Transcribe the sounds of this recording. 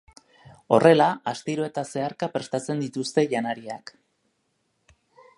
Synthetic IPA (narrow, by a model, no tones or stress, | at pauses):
o̞rʔe̞laast̪iɾo̞e̞t̪ase̞aɾkapɾe̞st̪at͡se̞nd̪it̪ust̪e̞ʝanaɾia̰k